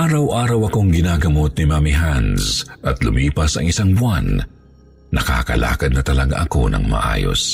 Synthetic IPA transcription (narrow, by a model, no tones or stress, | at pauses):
ʔaːɾɐwʔaːɾɐwɐko̞ŋɡɪnaːɡɐmo̞t̪̚nimamiɦansʔɐt̪lʊmiːpɐsɐ̰ŋɪsaŋbʊanː | ɐka̰ːkɐla̰ːkɐd̪̚nɐt̪ɐlɐɡa̰ʔɐko̞nɐ̰ŋmɐ̰ʔa̰ːjo̰s